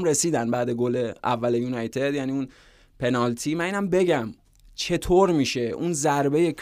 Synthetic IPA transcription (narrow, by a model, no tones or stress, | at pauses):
mɾe̞siːd̪ænbæːd̪e̞ɡole̞æ̰vːælejuːnɒjt̪ʰe̞d̪jæniːun | pʰe̞nɒlt̪ʰimæniːnæmbe̞ɟæm | t͡ʃʰe̞t̪ʰoɾmiːʃe̞ʔunzæɾbe̞je̞kʰ